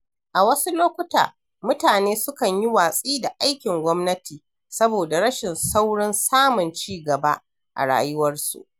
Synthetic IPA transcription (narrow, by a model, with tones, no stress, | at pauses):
ʔa˨wɐ˦su˦loː˦kʷʊ˦ta̰ː˨ | mʊ˦taː˨neː˦sʊ˦kɐ˨ɲji˦waː˨sʼiː˦da˨ʔa˦jkʲɪ˨ŋɡʷɔ˦mnɐ˦tiː˨ | sɐ˦boː˨da˨ɽɐ˦ʃɪ˨nsa˦wɽɪ˦nsaː˦mʊ˨nt͡ʃiː˦ɡɐ˨ba̰˦ | ʔa̰˨ɽa̰ː˦jʊ˦wɐ˦rsṵ˨ʔ